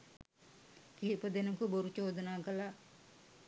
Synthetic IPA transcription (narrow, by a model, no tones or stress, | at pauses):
kiːpəd̪enukəboɾut͡ʃoːd̪ənaːkəla